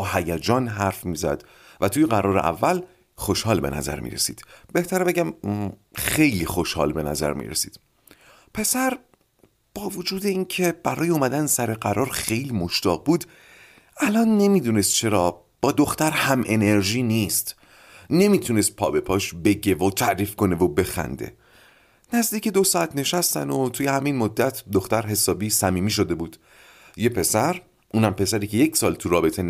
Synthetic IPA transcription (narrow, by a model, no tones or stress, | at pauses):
hæjæd͡ʒɒːnɦæɾfmiːzæ̰d̪̥ | væt̪ʰuːjeɣæɾɒːɾe̞̰ʔæ̰vːæl | χo̞ʃhɒːlbe̞̰næ̰zæ̰ɾmḭːɾe̞̰sḭːd̪̥b̥e̞ht̪ʰæɾbe̞ɟæm | xejliːxo̞ʃhɒ̰ːlbe̞næ̰zæ̰ɾmḭːɾesḭːd̪̥ | pʰe̞sæɾ | b̥ɒːvod͡ʒuːd̪e̞incʰe̞b̥æɾɒːjeumæd̪ænsæɾeɢæɾʔɒːɾxe̞jliːmo̞ʃt̪ɒːɣ̚buːd̪ | ʔælɒːnːe̞miːd̪uːnest̪̚t͡ʃʰe̞ɾɒː | b̥ɒːd̪o̞xt̪æɾhæmʔe̞ne̞ɾʒiːniːst̪ | ne̞miːt̪ʰunest̪̚pʰɒ̰ːbe̞pʰɒːʃbe̞ɟe̞vot̪ʰæʔɾiːfko̞ne̞vobe̞xæ̰nd̪e̞̰ | næzd̪iːce̞d̪o̞sɒːæt̪ʰne̞ʃæst̪æ̰not̪ʰuːje̞hæminmod̪ːæt̪ʰd̪oxt̪æɾɦe̞sɒːbiːsæmiːmiːʃ̬o̞d̪e̞buːd̪̥ | je̞pʰe̞sæɾ | ʔuːnæmpe̞sæɾiːcʰe̞je̞csɒːlt̪ʰuɾɒːbe̞t̪ʰe̞n